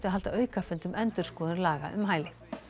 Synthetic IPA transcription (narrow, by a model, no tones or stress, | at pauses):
t̪ɪaɦalt̪aœːɥkafɛnt̪ʏmʔɛnt̪ʏɾ̥skɔːðʏɾlaːɣa̰ʔʏ̰mɦaːjlɪ